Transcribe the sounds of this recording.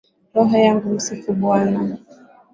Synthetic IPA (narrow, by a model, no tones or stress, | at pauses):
ɾɔɦɔjaŋɡusikubwana